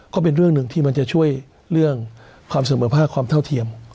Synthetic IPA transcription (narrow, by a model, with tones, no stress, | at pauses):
kɔː˥˩pe˧nɾɯ˥˩ŋnɯ˨˩ŋt̪ʰiː˥˩ma˧nt͡ɕa˨˩t͡ɕʰu˥˩əj | ɾɯ˥˩əŋ | kʰwaː˧ms̬a˧˦məː˩˦pʰaː˥˩kʰwaː˧mnt̪ʰa˥˩wt̪ʰi˧əm